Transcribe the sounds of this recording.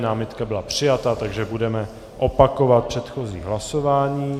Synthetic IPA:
naːmɪt̪kabɪlapr̝̥ɪjat̪at̪aɡʒɛbudɛmɛ | ʔopako̞vat̪̚pr̥ɛt̪xo̞zḭːɦlaso̞vaːɲiː

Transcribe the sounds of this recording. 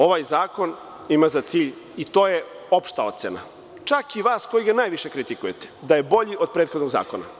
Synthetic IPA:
o̞ʋajzaːko̞n | imazat̪siːʎit̪oːje | o̞pʃt̪ao̞t̪sena̰ | t͡ʃakiʋaːsko̞jiɡanaːjʋiʃekɾit̪ikujet̪e̥d̪aje̞bo̞ʎiʔod̪̚pɾet̪xod̪noɡza̰ːko̞na̰

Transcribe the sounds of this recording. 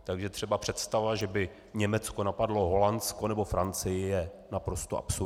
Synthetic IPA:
t̪aɡʒɛt̪r̝̥ɛbapr̝̥ɛt̪st̪avaʒɛbɪ | ɲɛmɛt͡sko̞napadlo̞ɦo̞lansko̞nɛbo̞fɾant͡sɪjɪjɛ | napɾo̞st̪oʔa̰psu

